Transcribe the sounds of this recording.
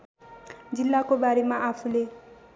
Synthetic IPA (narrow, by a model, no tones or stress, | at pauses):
d͡zilːakobaɾemaʔapʰule